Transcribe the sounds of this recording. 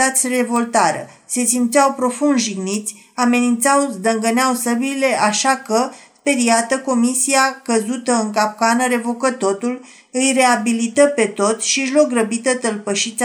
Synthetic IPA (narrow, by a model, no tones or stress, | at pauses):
at̪sʲre̞vo̞lt̪aɾə̰ | se̞simpt̪sʲawpɾo̞fund̪ʒiɡnit̪sʲ | ame̞nint̪sawzd̪əŋɡəneawsəbiile̞ʔaʃakəspe̞ɾiat̪əko̞misiakəzut̪əɨŋkap̚kanəɾe̞vo̞kət̪o̞t̪ul | ɨjre̞abilit̪əpe̞t̪o̞t̪sʲʃiʒlo̞k̚rəbit̪ət̪əlpəʃit̪sʲ